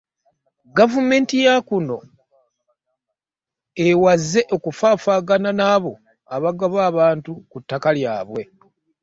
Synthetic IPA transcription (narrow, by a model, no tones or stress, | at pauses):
ɡavume̞ːntijakuno̞ | ewazːe̞ʔo̞kufaːfaːɡananaːβo̞ | aβaɡaβaːβaːntukutːakalja̰ːβwe̞